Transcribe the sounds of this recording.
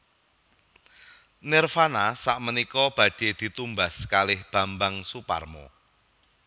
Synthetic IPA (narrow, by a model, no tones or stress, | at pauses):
nɪrfanasaʔmənikɔb̥ä̤ɖ̥e̤d̪̥i̤t̪umbaskalɪhb̥a̤mbaŋsupa̰rmo̰